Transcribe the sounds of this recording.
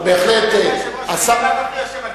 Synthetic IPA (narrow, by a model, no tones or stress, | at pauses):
beːxlet̪e | asa